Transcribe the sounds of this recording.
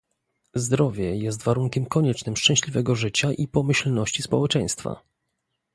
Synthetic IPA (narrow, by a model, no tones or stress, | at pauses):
zd̪ɾɔvʲjɛjɛst̪vaɾuŋkʲɛmkɔɲɛt͡ʂnɘmʂt͡ʂɛ̃w̃ɕlʲivɛɡɔʐɘt͡ɕaʔipɔmɘɕlnɔɕt͡ɕispɔwɛt͡ʂɛj̃st̪fa̰